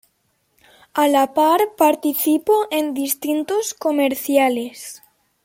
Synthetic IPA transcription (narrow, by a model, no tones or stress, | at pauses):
alapaɾpaɾt̪iθipoʔend̪ist̪int̪oskomeɾθjales